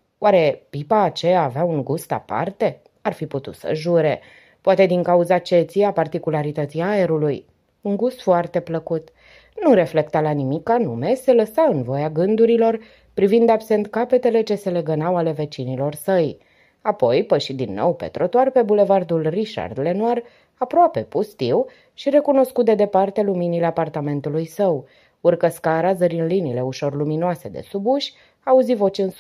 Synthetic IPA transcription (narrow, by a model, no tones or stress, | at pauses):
waɾe̞pipaːt͡ʃeaːveauŋɡust̪a̰pa̰rt̪e̞ | arfiput̪ut̪sə̰ʒuɾe̞ | poat̪e̞d̪iŋkauzat͡ʃe̞t̪siapart̪ikulaɾit̪ət̪siaeɾuluj | uŋɡust̪foart̪e̞pləkut̪ | nuɾe̞fle̞kt̪alanimikːanume̞se̞ləsaɨnvo̞jaɡɨnd̪uɾilo̞r | pɾivind̪abse̞nt̪kape̞t̪e̞le̞t͡ʃe̞se̞le̞ɡənawale̞ve̞t͡ʃinilo̞rsəj | apo̞jpəʃid̪inːo̞̰wpe̞̰t̪ɾo̞t̪oarpe̞bule̞vard̪ulriʃa̰rd̪le̞nuar | apɾoape̞pust̪iw | ʃiɾe̞kuno̞skut̪̚d̪e̞d̪e̞part̪e̞luminile̞apart̪ame̞nt̪ulujsəw | urkəskaɾazəɾinlinile̞uʃo̞rluminoase̞d̪e̞̰subuʃʲ | auzivo̞t͡ʃɨns